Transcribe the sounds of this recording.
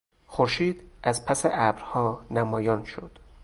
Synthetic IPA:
xoɾʃiːd̪̥ʔæzpʰæseʔæbɾhɒːnæmɒːjɒːnʃod̪̥

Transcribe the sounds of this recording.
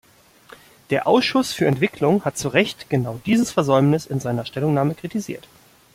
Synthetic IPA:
d̥eːɐʔaʊsʃʊsfyːɐɛntv̥ɪkʰlʊŋhat̚t͡suʁɛçtɡ̥ənaʊdiːzəsfɛɐzɔʏmnɪsɪnzaɪnɐʃtɛlʊŋnaːməkʁ̥itizḭːɐt

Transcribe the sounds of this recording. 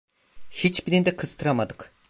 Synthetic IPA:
hit͡ʃbiɾind̪ɛqʰɯz̥t̪ʰɯɾamad̪ɯq

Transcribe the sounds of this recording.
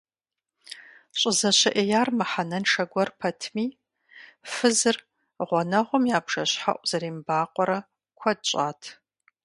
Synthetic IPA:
ɕʼɪzɐɕɐʔejaːrmɨħanɐnʂʰɐɡʷɔrpʰɐtʰmiː | fɨzɨr | ʁʷɔnɐʁʷɔmjaːbʂɐɕħa̰ʔʷʼz̥ɐɾiːmbaːqʷʼɔɾɐ | kʷʰɐd̚ɕʼa̰ːtʰ

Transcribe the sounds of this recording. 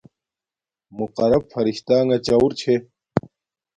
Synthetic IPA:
muqɐɾɐbfɐɾiɕt̪aːŋɡɐt͡ɕauɾt͡ɕʰe

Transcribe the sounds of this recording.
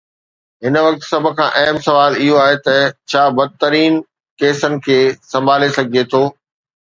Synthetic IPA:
ɦɪnʋɐk̚t̪sɐbʱʊ̆kʰãːʔɐɦmsɐʋaːlɪɦoaːɦet̪ɐt͡ɕʰaːbɐd̪̚ʱt̪ɐɾiːn | keːsənɪ̆kʰeːsɐ̃mbʱaːlesɐɡʱiet̪ʰoː

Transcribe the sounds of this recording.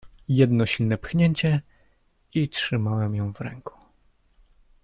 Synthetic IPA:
jɛd̪nɔɕilnɛpxɲeɲt͡ɕɛ | itʂɘmawɛmjɔ̃w̃vɾɛ̰ŋku̥

